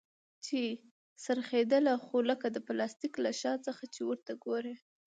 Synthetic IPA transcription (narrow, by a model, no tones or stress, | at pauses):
t͡ʃe | saɾxed̪əlaxoləkad̪əplɑst̪iklaʃɑt͡səxat͡ʃewəɾt̪aɡoɾe